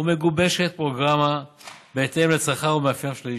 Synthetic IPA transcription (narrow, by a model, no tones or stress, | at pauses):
ume̞ɡube̞ʃet̪̚pʁo̞ɡʁamabeːt̪emlet͡saχaʁumeafjamʃli